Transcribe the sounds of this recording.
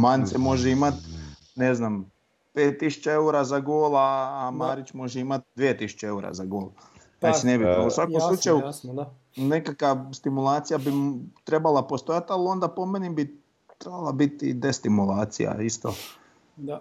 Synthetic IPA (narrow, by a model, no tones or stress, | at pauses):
mant̪semo̞ʒeimat̪ | neznam | peːt̪ːisu̥t͡ɕeeuɾazaɡoːlˠaːmaːɾit͡ɕmo̞ʒeimat̪̚d̪ʋijet̪isu̥t͡ɕee̞uɾa̰zaɡoːlˠ | t̪at͡ʃinebit̪ɾbelˠusʋakkomˠut͡ʃaju | nekakast̪imulˠaːt̪sijabit̪ɾe̞balˠapo̞st̪ojat̪alio̞nd̪apo̞menibi | t̪ɾebalˠabit̪ḭd̪est̪imulˠaːt̪sḭja̰ist̪o